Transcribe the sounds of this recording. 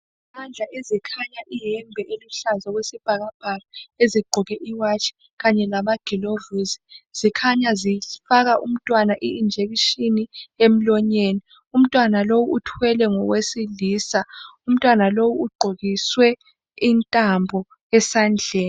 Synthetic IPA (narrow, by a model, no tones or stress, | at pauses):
imand͡ɮʱaʔezikʰaɲaʔiɦɛmbʱɛʔeluɬazaɣwesib̥ʱaɣab̥ʱalaeziɡ͡ǃʱuɣɛʔiwat͡ʃʼʰi̥ | ɣaɲɛlamaɡ̥ʱilovuzi̥z̥ikʰaɲazifaɣaʔum̩tʼwanaʔiːnd͡ʒʱeɣiʃiniem̩lɔɲeːni | um̩tʼwanalowuʔutʰwɛlɛŋɔɣwesiliːsaum̩tʼwanalowuuɡ͡ǃʱoɣiswɛ | intʼambʱɔ | ɛsand͡ɮʱɛːn